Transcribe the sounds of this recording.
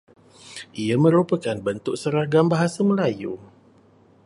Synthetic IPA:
ʔiamə̃ɾupəkanbənt̪ʊk̚səɾaɡambaɦasamə̃lajṵ

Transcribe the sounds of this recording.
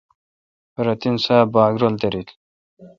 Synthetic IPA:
ɾɐt̪insaːbaːɡɾold̪eɾit̪

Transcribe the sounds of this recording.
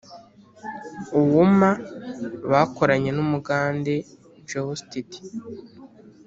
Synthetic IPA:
uwumaβako̞ɾaɲe̞numuɡaːnde̞ | d͡ʒewustiti̥

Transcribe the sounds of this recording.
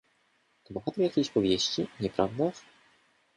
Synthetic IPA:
t̪ɔbɔxat̪ɾjakʲejɕpɔvʲjeɕt͡ɕiɲɛpɾʔavd̪a

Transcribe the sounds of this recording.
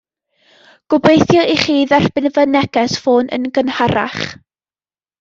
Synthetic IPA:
ɡ̥ʊbejθjɔiχiːðar̥b̥ɪnvənɛɡɛsfoːnʔə̰nɡənhaɾa̰χ

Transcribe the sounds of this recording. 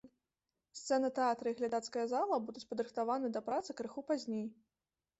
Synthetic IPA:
st̪sɛnɨt̪ɛat̪ɾɨiɣlʲad̪at̪skɐjɐzalˠɐbud̪ut͡sʲpɐd̪ɾɨxt̪avanɨd̪ɐpɾat̪sɨkɾɨxupazʲnʲej

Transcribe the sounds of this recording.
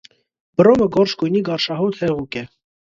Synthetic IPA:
b̥əɾɔməɡɔɾʃkujniɡɑɾʃɑɦɔt̪hɛʁukɛ

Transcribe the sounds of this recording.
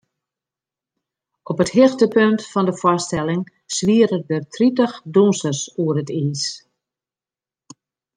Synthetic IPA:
ɔpəthɪxtəpøntfɔndəfɔstɛlɪŋ | sʋiəɾədətʰritəxdunsəsuərətiːs

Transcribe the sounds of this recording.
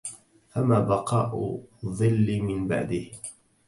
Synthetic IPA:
famaːbɑqɑːʔʊðˤɨlːɪmɪnba̰ʕd̪ɪh

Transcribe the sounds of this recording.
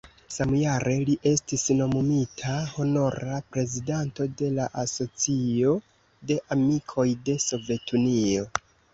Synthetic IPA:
samjaɾʔe̞liʔe̞stisno̞mumitʰaho̞no̞ɾapɾe̞zidanto̞de̞laʔaso̞t͡sio̞ | de̞ʔamikʰo̞jde̞so̞ve̞tʰunio̞

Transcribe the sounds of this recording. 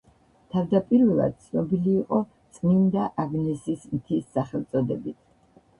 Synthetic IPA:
t̪ʰavd̪apʼiɾvɛlˠa̰d̪̥̚t̪sʰnɔbiliːqʼɔ | t̪sʼnind̪aʔaɡnisismt̪ʰisːaχɛlˠt̪sʼɔd̪ɛbit̪ʰ

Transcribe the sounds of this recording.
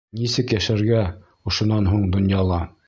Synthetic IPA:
nisɘkjæʃæɾɡæ | ŏʃŏnːɑnɦuɴd̪ŏnjɑlˠɑ

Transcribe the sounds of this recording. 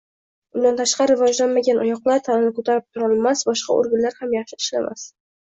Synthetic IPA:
ʊnd̪ant̪ʰaʃqɑɾɪɾɪvɒd͡ʒlanmaɡʲanʔɒjɒqlˠaɾt̪ʰanɒnɪkʰot̪ʰaɾɪp̚t̪ʰʊɾɒlˠmasbɒʃqɑ̰o̰ɾɡʲanlaɾhamjɑχʃɪɪʃlamʔa̰s

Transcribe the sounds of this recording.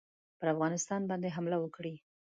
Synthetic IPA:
pəɾafɣɑnɪst̪ɑnbɑnd̪eɦamlawəkɽi

